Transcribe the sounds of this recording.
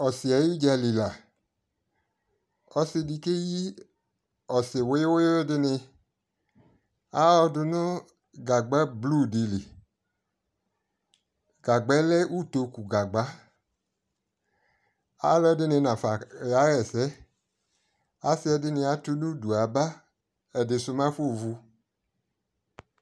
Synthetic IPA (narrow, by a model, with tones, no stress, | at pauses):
ɔ˨si˨ɛ˨ji˦d͡ʒɛ˧li˨la˨ | ɔ˧si˧di˧ke˦ji˦ | ɔ˨se˨wo˨˦jwo˦e˦dɪ˧nɪ˧ | a˦ɔ˧dʊ˧nɔ˦ | ɡa˨ɡ͡ba˦blu˦˨di˧li˨ | ɡ̥a˨ɡ͡bɛ˨˦lɛ˦ʔu˦˨to˧ku˨ɡa˨ɡ͡ba˨˦ | a˨˦lɛ˦dɪ˦nɪ˧nã˨fa˨a˨˦ɣɛ˨sɛ˦ | a˦sɪ˦ɛ˧dɪ˦nɪ˧a˨˦tu˦nu˦du˨a˨ba˦ | ɛ˨dɪ˨sʊ˧mã˦fo˦˨vu˧